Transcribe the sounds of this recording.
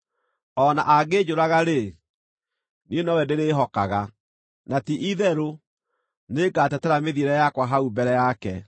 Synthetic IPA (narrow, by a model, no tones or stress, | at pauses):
ɔna̰ʔaɡed͡ʒoɾaɣaɾe | nienɔwɛdeɾeːɦɔkaɣa | natiʔiðɛɾo | neɡatɛtɛɾameðieɾɛjakwaɦaubɛɾɛjakɛ